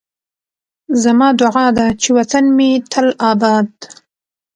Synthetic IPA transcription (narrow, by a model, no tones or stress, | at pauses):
zamɑd̪ʊʕɑd̪at͡ʃewat̪anmet̪ʰəlɑbɑd̪